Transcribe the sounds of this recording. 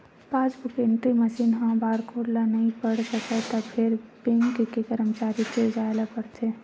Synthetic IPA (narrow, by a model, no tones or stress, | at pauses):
pãːt͡ʃbʊkeɳʈɾiməʃiːnɦãbaːɾkʰoːɾlanɐɦĩpəɽsəket̪apʰɪɾbẽŋkkekəɾəmt͡ʃaːɾit͡ʃed͡ʒaːlapəɽt̪e